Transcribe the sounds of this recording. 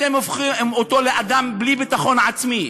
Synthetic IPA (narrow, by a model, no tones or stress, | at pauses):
emofχimot̪o̞leʔad̪amblibit̪aχo̞nʕat͡smi